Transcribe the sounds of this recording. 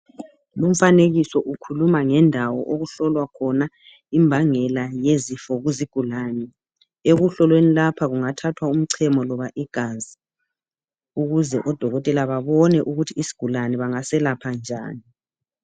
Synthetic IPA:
lum̩faneɣisɔʔukʰulumaŋɛndʱawɔ̰ʔoɣuɬɔlwakʰɔna | imbʱaŋɛlajezifɔɣuziɡ̥ʱulanɛ | eɣuɬɔlwenilapʰaɣuŋatʰatʰwaum̩ǀʰɛmɔlɔβaʔiɡ̥ʱazi | uɣuzɛʔɔd̥ʱɔɣɔtʼɛlaβaβɔnɛʔuɣutʰiːsi̥ɡ̥ʱulanɛβaŋasɛlapʰand͡ʒʱa̰ːni

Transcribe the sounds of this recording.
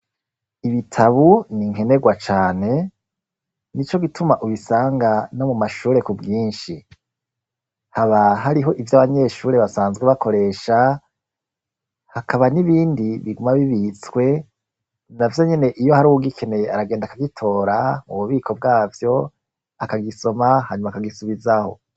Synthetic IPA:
iβitʰaβuniŋ̥e̞ne̞ɡwat͡ʃaːne̞ | nit͡ʃo̞ɡitʰumaʔuβisaːŋɡano̞mumaʃuːɾe̞kubɡiːnʃi | haβaɦaɾiɦo̞ʔivjaβaɲe̞ːʃuːɾe̞βasaːnzɡweβako̞ɾe̞ːʃa | hakʰaβaniβiːndiβiɡumaβiβit͡swe̞ | navjo̞ɲe̞ne̞ʔijo̞haɾuuɡikʰe̞ne̞jeaɾaɡe̞ːndakaɡitʰo̞ːɾauβuβiːkʰo̞b̚ɡaːvjo̞ | akaɡiso̞mahaɲumakaɡisuβizaho̞̰

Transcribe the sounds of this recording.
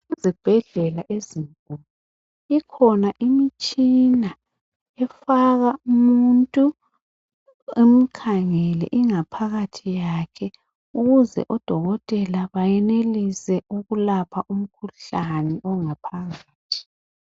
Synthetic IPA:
izib̥ʱɛɮɛlaʔeziŋkʼulu | ikʰɔnaʔimit͡ʃʼina | ɛfaɣaumuntʼu | em̩kʰaŋɛlɛ̰ʔiŋapʰaɣatʰijakʰɛ | uɣuzɛ̰ʔɔd̥ʱɔɣɔtʼɛlaβajɛnelisɛuɣulapʰaʔum̩kʰuɬanɛʔɔŋapʰaɣaːtʰi̥

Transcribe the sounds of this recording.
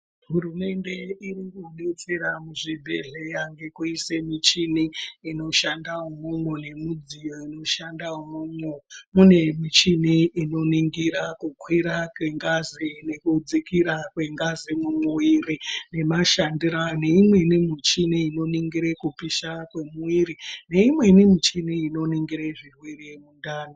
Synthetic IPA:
ɦurume̞nde̞iriŋɡunet͡seɾamuʐibʱḛɮe̞jaŋɡe̞kuise̞mit͡ʃiniino̞ʃandaumumwone̞mud͡zijo̞ino̞ʃandaumumwomune̞mit͡ʃiniino̞niŋɡiɾakukwiɾakweŋɡazine̞kud͡zikiɾakwe̞ŋɡazimumuwirine̞maʃandiɾaneimwenimit͡ʃiniino̞niŋɡiɾekupiʃakwe̞muwiɾine̞imwe̞nimit͡ʃiniːno̞niŋɡiɾeʐirwirijemundaːno

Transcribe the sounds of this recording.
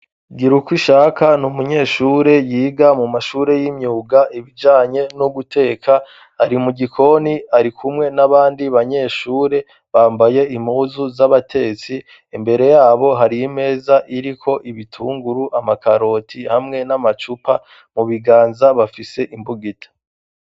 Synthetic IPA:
ɡiɾukwiʃakanumuɲe̞ːʃuːɾe̞jiːɡamumaʃuːɾe̞jimɲuːɡaʔiβid͡ʒaːɲe̞nuɡutʰe̞ːkʰaː | ɾimuɡikʰo̞niaɾikʰumŋe̞naβaːndiβaɲe̞ːʃuːɾe̞ | βaːmbaje̞ʔimuːzuzaβatʰe̞ːt͡si | embe̞ɾe̞jaːβo̞ɦaɾijime̞ːzaʔiɾikʰo̞ʔiβitʰuːŋɡuɾuʔamakaɾo̞tʰihamŋe̞namat͡ʃupa | muβiɡaːnzaβafise̞ʔimbuɡitʰḁ

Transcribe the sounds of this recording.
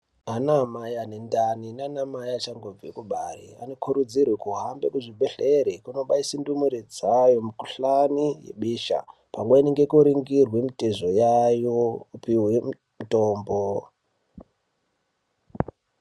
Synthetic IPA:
anamajanendaninanamajaat͡ʃaŋɡob͡vekuɓarḭa̰nokʰuɾud͡zirwekuɦambekuʐibʱeɬeɾikuno̞ɓaisindumuɾid͡zajomukuɬanijḛɓiːʃa̰ | paŋɡoineŋɡekuɾiŋɡirwemiteʐojajoupiwe | mitoːmbo

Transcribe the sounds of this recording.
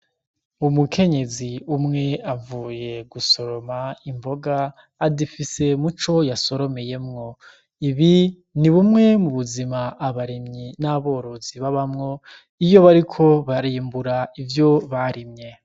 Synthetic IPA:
umukʰe̞ɲe̞ziumŋe̞avuːje̞ɡuso̞ɾo̞maimbo̞ɡaː | difise̞mut͡ʃo̞jaso̞ɾo̞me̞je̞mŋo̞ | iβi | niβumŋe̞muβuzimaʔːβaɾimɲinaβo̞ɾo̞ziβaβamŋo̞ | ijo̞βaɾikʰo̞βaɾiːmbuɾaivjo̞βaɾimɲe̞

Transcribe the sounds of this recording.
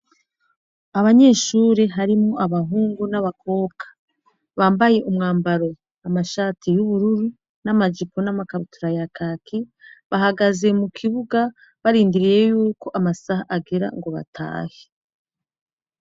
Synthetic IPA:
aβaɲe̞ːʃuːɾeɦaɾimoʔaβaɦuːŋɡunaβakʰo̞ːkʰḁ | βaːmbaje̞ʔumŋaːmbaɾo̞ | amaʃaːtʰijuβuɾuɾu | namad͡ʒipo̞namakautʰuɾajakʰaːkʰiβaɦaɡaze̞mukʰiβuɡa | βaɾiːndiɾijejuːko̞ʔamasahaʔaɡeɾa̰ŋɡo̞βa̰tʰa̰ːhe

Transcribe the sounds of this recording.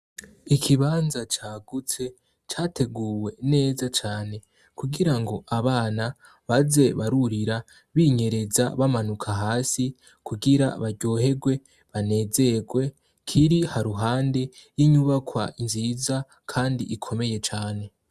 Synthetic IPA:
ikʰiβaːnzat͡ʃaːɡut͡se̞ | t͡ʃaːtʰe̞ɡuːwe̞ne̞ːzat͡ʃaːne̞ | kuɡiɾaŋɡo̞ʔaβaːna | βaze̞βaɾuɾiɾa | βiɲe̞ɾe̞za̰βamanukʰaɦaːsi | kuɡiɾa̰βaɾɟoːhe̞ɡwe̞ | βane̞ːze̞ɡwe̞ | kʰiɾihaɾuɦaːnde̞jiɲuβakwaʔinziza | kʰaːndiʔːkʰo̞me̞je̞t͡ʃaːne̞

